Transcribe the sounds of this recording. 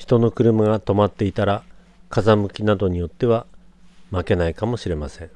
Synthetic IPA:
çi̥t̪o̞no̞kɯ̟ɾɯ̟maɡat̪o̞mat̪ːe̞it̪aɾa | kazamɯ̟kʲinad̪o̞ɲ̟ijo̞t̪ːe̞βamake̞naikamo̞ɕiɾe̞masẽ̞ŋ

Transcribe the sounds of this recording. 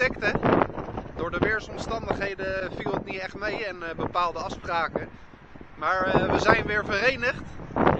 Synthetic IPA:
ɪktə | dʊːɹdəʋɪːɹsɔmstɑndəχɦejdəvilˠətnitɛχtmejɛnbəpaːlˠdəɑfspraːkə | maːɹʋəzɛjnʋɪːɹvərejnəχt

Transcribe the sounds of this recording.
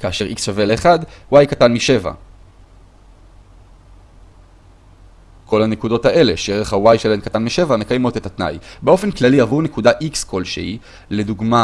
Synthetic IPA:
kaːʃe̞ʁʔiksʃave̞leːχadwajkatanmiʃe̞va̰ | kʰo̞lhanekudo̞thaʔe̞le̞ʃejeʁeχhawajʃelankatanmiʃe̞vame̞kajmo̞tetat̪na̰jbe̞o̞fe̞nklaliavune̞kudaʔikskolʃḛi | le̞duɡma

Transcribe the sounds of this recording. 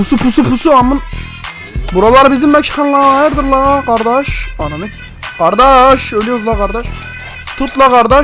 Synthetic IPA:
pusupʰusupʰusuɑmːɑn | buɾɑlˠɑɾbɪzɪmːɛkʲʰːχɑnlˠɑʁɑjɾd̪ɨɾlˠɑʁɑqɑɾd̪ɑʃɑnɨnɨkʲ | qɑɾd̪ɑʃølʲjozlˠɑqɑɾd̪ɑʃ | t̪ʰut̪lˠɑqɑɾd̪ɑ

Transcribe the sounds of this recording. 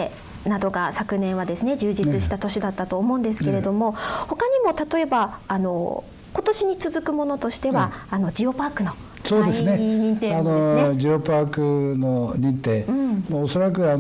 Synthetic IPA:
nad̪o̞ɡasakɯ̟nẽ̞ɰ̃βad̪e̞sɨne̞d͡ʑɨːd͡ʑit͡sɨɕi̥t̪at̪o̞ɕid̪at̪ːat̪o̞ːmo̞ɯ̃nd̪e̞s̬ɨ̥ke̞ɾe̞d̪o̞mo̞ho̞kaɲ̟imo̞t̪at̪o̞e̞baːno̞̰ | ko̞t̪o̞ɕiɲ̟it͡sɨzɨkɯ̟mo̞no̞t̪o̞ɕi̥t̪e̞βaano̞d͡ʑio̞paːkɯ̟no̞ | soːd̪esɨneiɲĩnt̪eːanod͡ʑiopaːkɯ̟noɲʲĩnt̪eːɯ̃moːso̞ɾakɯ̟an

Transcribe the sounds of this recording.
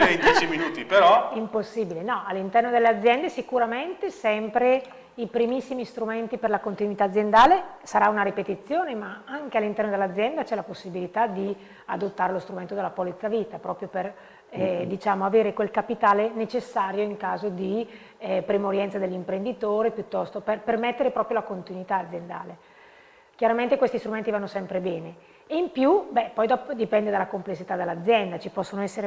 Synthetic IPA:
et͡ʃiminuːt̪ipeɾɔimposːiːbilenɔalːint̪ɛrnod̪elːead̪zːjɛnd̪esikuɾament̪esɛmpɾe | ipɾimisːimist̪ɾument̪iperlakont̪inwit̪aːd̪zːjend̪aːlesaɾaunaɾipet̪it̪sːjoːnemaaŋkealːint̪ɛrnod̪elːad̪zːjɛnd̪at͡ʃɛlaposːibilit̪ad̪i | ad̪ot̪ːaːɾelost̪ɾument̪od̪elːapolit̪saviːt̪apɾɔːpɾjoper | d̪it͡ʃaːmoaveːɾekwelkapit̪aːlenet͡ʃesːaːɾjoiŋkaːzod̪i | pɾimuɾjɛnt̪sad̪elːimpɾend̪it̪oːɾepjut̪ːɔst̪operpermet̪ːeɾepɾɔːpɾjolakont̪inwit̪aːd̪zːjend̪a̰ːle | kjaɾament̪ekwest̪ist̪ɾument̪ivanːosɛmpɾebɛːne | eimpjubɛpːɔjd̪ɔpod̪ipɛnd̪ed̪alːakomplesːit̪ad̪elːad̪zːjɛnd̪at͡ʃipɔsːonoɛsːeɾe

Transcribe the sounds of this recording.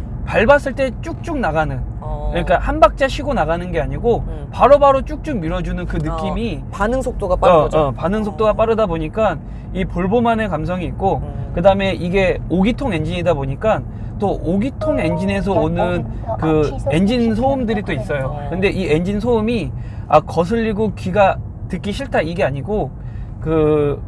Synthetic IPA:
paɭbas͈ɯɭt͈e̞t͡ɕ͈uk̚t͡ɕ͈uŋnaɡanɯn | kɯɲik͈ahanbak̚t͡ɕ͈aɕʰiɡonaɣanɯnɡe̞aɲiɡo | paɾobaɾot͡ɕ͈uk̚t͡ɕ͈uŋ̚miɾʌd͡ʑunɯnkɯnɯkk͈imipanɯŋsʰok̚t͈oɡapaʌpanɯŋsʰok̚t͈oɡap͈aɾɯdaboɲik͈an | ipoɭbomanekamsʰʌŋiːt̚k͈okɯdaɯme̞ʔiɡe̞oɡitʰoŋe̞nd͡ʑiɲidaboɲik͈an | t͈oʔoɡitʰoŋe̞nd͡ʑine̞s̬ʰʌonɯnkɯe̞nd͡ʑinsʰoumdɯɾit͈ois͈ʌjokɯnde̞ʔie̞nd͡ʑins̬ʰoumi | ak͈ʌs̬ʰɯʎːiɡokɥiɡa | tɯk͈iɕʰiɭtʰaiɡe̞aɲiɡo | kɯ

